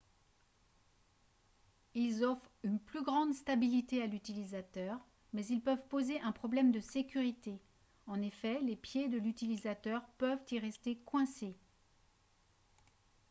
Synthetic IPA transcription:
ilzɔfχynplyɡʁɑ̃d̪st̪abilit̪ealyt̪ilizat̪œʁ | mɛzilpœvpozeʔɛ̃pχɔblɛmd̪əsekʲyʁit̪e | ɑ̃nefɛlepjed̪əlyt̪ilizat̪œʁpœvt̪iʁɛst̪ekwɛ̃se

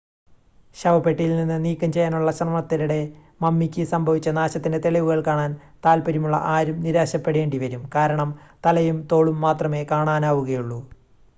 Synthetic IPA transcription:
ɕɐʋɐpeʈːijilninːɨniːkːɐmt͡ɕe̞jːaːnuɭːɐɕɐrmɐɳɐt̪ːiɾuɽe̞ | mɐmːikʲːɨsɐmbʱɐʋit͡ɕːɐnaːɕɐt̪ːinde̞t̪eɭiʋuɣɐɭkaːɳaːnt̪aːlpɐɾimuɭːɐ̰ʔaːɾumniɾaːɕɐpːeɽeːɳɖiʋɐɾumkaːɾɐɳɐmt̪ɐlɐjumt̪o̞ːɭumːaːt̪rɐme̞ːkaːɳaːnaːʋuɣɐjuɭːu

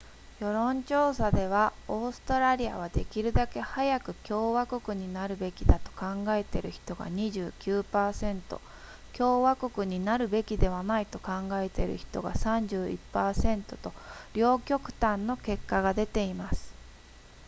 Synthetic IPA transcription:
jo̞ɾõ̞ɲt͡ɕo̞ːsad̪e̞β̞ao̞ːsɨ̥t̪oɾaɾʲia̰β̞ad̪e̞kʲiɾɯ̟d̪ake̞hajakɯ̟kʲo̞ːβako̞kɯ̟ɲ̟inaɾɯ̟be̞kʲid̪at̪o̞̥kãŋɡae̞t̪e̞ɾɯ̟çi̥t̪o̞ɡa̰ɲ̟iʑɨːkʲɨːpaːsẽ̞nt̪o̞̰ | kʲo̞ːβako̞kɯ̟ɲ̟inaɾɯ̟be̞kʲid̪e̞βanait̪o̞kãŋɡaet̪e̞ɾɯ̟̰çi̥t̪o̞̰ɡa̰sãɲ̟d͡ʑɨːḭpːaːsẽ̞nt̪o̞t̪o̞ɾʲo̞ːkʲo̞kɯ̟̥t̪ãnːo̞ke̞kːaɡad̪e̞t̪e̞imasɨ̥

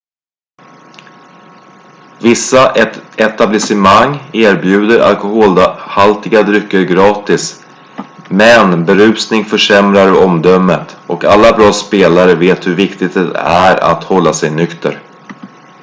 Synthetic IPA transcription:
vɪsːaɛt̪ablɪsɪmaŋːeːɾbjʉ̟ːd̪əɾa̰lkʊhoːlhalt̪ɪɡad̪ɾʏkːəɾɡɾɑːt̪ɪs | mɛnbɛɾʉ̟ːsnɪŋfœʂɛmɾaɾɔmd̪œmːət̪ɔkalːabɾɑːspeːlaɾəveːt̪hɵɾvɪkt̪ɪɡ̚t̪ɛæ̰ɾa̰t̪hɔlːasɛjnʏkt̪ə̰ɾ

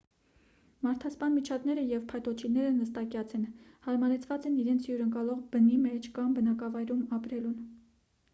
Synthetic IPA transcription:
mɑɾt̪ʰɑspɑnmit͡ʃʰɑd̪nɛɾəjɛvpʰɑjt̪ɔt͡ʃʰinɛɾənəst̪ɑkjɑt͡sʰɛnhɑɾmɑɾɛt͡sʰvɑt͡sɛniɾɛnt͡sʰjuɾəŋkɑlɔʁbənimɛt͡ʃʰkɑmbənɑkɑvɑjɾumɑpɾɛlun

